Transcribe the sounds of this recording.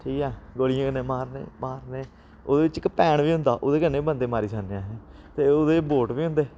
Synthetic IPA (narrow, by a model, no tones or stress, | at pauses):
ʈʰiːkɛːɡoːɽijãːkənːẽːmaːɾnḛːmaːɾneː | oːd̪eːɪt͡ʃkəpɛːɳʋiːɦʊ̃nd̪aːʔoːd̪eːkənːeːbənd̪eːmaːɾiːsaːneãːɦɛ̃ː | t̪eːod̪eːboːʈʋiːɦʊ̃nd̪eː